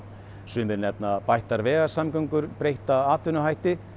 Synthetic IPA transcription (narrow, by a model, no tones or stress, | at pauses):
sʏnðɪnɛp̚napajht̪aɾvɛːɣḁsamkœŋkʏɾpɾejht̪aðaːt̪ʰvʏnʏɦajht̪ɪ